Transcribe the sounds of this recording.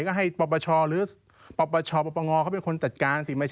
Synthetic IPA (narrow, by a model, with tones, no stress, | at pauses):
kɔː˥˩ɦa˥˩jpɔ˨˩pːɔː˧t͡ɕʰɔː˧ɾɯː˨˦ | pɔ˨˩pːɔː˧t͡ɕʰɔː˧pɔ˧˩pːa˧ŋɔː˧kʰa˦˥wpe˧nkʰo˧nt͡ɕa˨˩t̪̚kaː˧nsiː˩˦maː˧t͡ɕʰ